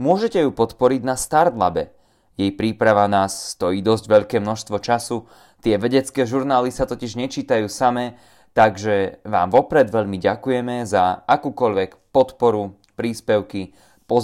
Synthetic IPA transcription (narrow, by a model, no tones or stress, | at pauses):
mʊɔʒɛcɛjupɔt̪pɔɾiɟnast̪aɾd̪la̰bɛ | jɛjpɾiːpɾaʋanaːsːt̪ɔjiːd̪ɔzɟʋɛʎkɛːmnɔʃst̪ʋɔt͡ʃasu | t̪ɪɛʋɛɟɛt͡skɛːʒuɾnaːlisat̪ɔciʒɲɛt͡ʃiːt̪ajuːsamɛ | t̪aɡʒɛʋa̰ːmʋɔpɾɛd̪ʋɛʎmiɟakujɛmɛzaakuːkɔʎʋɛkpɔt̪pɔɾu | pɾiːspɛʊki | pɔz